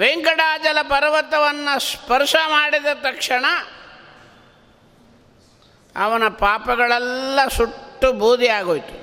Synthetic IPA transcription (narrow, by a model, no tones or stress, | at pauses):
ʋeŋkɐɽaːd͡ʒɐlɐpɐɾʋɐt̪ɐʋɐnːɐspɐɾʂɐmaːɽid̪ɐt̪ɐkʂɐɳɐ | ɐ̰ʋɐnɐpaːpɐɡɐɭɛlːɐsuʈːubuːd̪ʱiaːɡoːjt̪u̥